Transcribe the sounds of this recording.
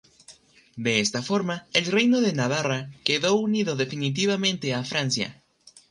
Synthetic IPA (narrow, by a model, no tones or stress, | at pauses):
d̪e̞est̪afo̞ɾmaelre̞jno̞ðe̞naβ̞arake̞ðo̞uniðo̞ðe̞finit̪̬iβamẽ̞nt̪e̞afɾansja̰